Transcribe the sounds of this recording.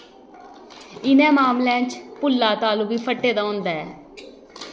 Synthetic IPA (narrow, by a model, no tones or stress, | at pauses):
ɪnɛ̃ːmaːmlãːt͡ʃpʊlːaːt̪aːluːbiːpʰəʈːeːd̪aːɦʊ̃ːnd̪aːɛː